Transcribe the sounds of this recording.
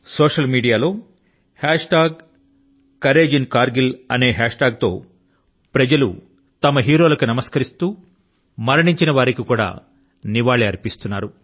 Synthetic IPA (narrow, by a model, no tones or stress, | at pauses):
soːʂɐlmiːɖijaːlo̞ː | haːʂʈaːɡ̚ | kɐɾe̞ːd͡ʒinkaːɾɡilɐ̰ne̞ːɦaːʂʈaːɡ̚t̪o̞̰ː | pɾɐd͡ʒɐlṵ | t̪ɐmɐɦiːɾo̞ːlɐkunɐmɐskɐɾist̪uː | mɐɾɐɳiɲt͡ʃinɐʋaːɾikikuːɽa̰ː | niʋaːɭiɐɾpist̪unːaːɾu